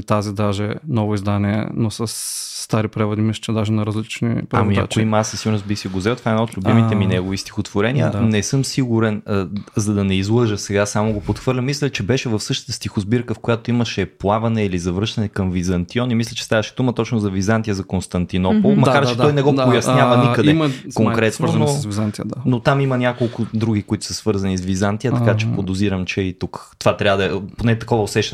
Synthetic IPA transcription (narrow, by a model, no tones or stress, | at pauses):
t̪azid̪aʒɛnɔvʊizd̪aniɛ̰nosɐsːt̪aɾipɾɛvɐd̪imist͡ʃɛd̪aʒɛnɐɾɐzlit͡ʃnḭpɾɐmiat͡ʃʊimasɐsiɡʊɾnosbixsɛɡozvɛlˠt̪ovaɛd̪naot̪lʲʊbimit̪ɛminɛɡovist̪i̥xot̪voɾɛniə̰nɛsɤmsiɡuɾɛnzɐd̪ɐnɛizlˠɤʒəsɛɡasamoɡopot̪xvɤɾlʲɐmislʲɛt͡ʃɛbɛʃɛvɐfsɤʃt̪ə̥t̪əst̪ixʊzbiɾkəfkojat̪oimɐʃɛplˠavɐnɛilizɐvəʃt̪ɐnɛkɐmvizɐnt̪iɔnimislʲɐt͡ʃɛ̥st̪avɐʃɛd̪umɐt̪ɔt͡ʃnʊzɐvizant̪ijəzɐkonst̪ɐnt̪inɔpolˠmɐkaɾt͡ʃɛt̪ɔjnɛɡɔpojɐsnjavɐnikəd̪ɛkoŋkɾɛtsnonovizant̪inot̪amimɐnʲakolˠkʊd̪ɾuɡ̟ikʊit̪ʊ̥sɐsvɤɾzɐnisvizant̪ijət̪ɐkat͡ʃɛpod̪ʊziɾəmt͡ʃɛit̪ukt̪ovat̪ɾʲavəd̪ɐɛponɛt̪ɐkɔvɐosɛʃt̪